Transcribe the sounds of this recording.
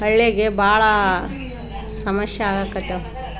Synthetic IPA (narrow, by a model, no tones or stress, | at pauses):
ɦɐɭːeɡebʱaːɭɐ | sɐmɐʃjɐaːɡɐkːɐt̪ːe